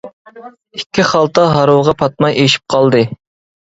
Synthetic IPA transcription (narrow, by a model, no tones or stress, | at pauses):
ikʲːiχɑlˠt̪ɑɦɑɾowʁɑpʰɑt̪̚mɑjeʃi̥p̚qʰɑlˠd̪ɨ